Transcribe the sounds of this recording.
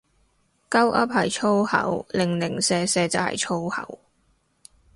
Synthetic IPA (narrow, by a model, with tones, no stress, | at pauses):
kɐ˥wʔɐ̰˥p̚hɐ˨jt͡sʰo˥whɐ̰˨˥wlɪ˨˩ŋlɪ˨˩ŋsɛː˧sɛː˧t͡sɐ̰˨ɐ̰˨jt͡sʰo˥whɐ̰˨˥w